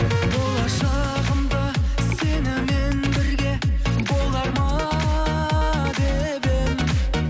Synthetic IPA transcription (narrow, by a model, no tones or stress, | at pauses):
bo̞lˠɑʃɑ | ʁəmd̪ɑsenɪme̞nbɪɾɡʲe̞bo̞lˠɑɾmɑ | d̪e | bɪm